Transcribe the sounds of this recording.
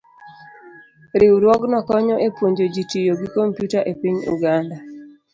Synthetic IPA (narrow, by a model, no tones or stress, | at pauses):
ɾiwɾwɔɡnɔkɔɲɔʔepwoɲd͡ʒod͡ʒitijoɡikompjutaʔepiɲṵɡanda